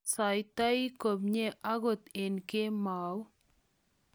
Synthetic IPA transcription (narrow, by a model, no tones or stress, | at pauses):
sajt̪aikobɲeʔaɡot̪enkemaːw